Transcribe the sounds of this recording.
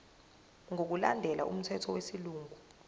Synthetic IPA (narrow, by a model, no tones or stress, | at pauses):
ŋʱok̬ulandʱɛlʔa̰ʔṵm̩tʰɛtʰɔwesiluːŋʱu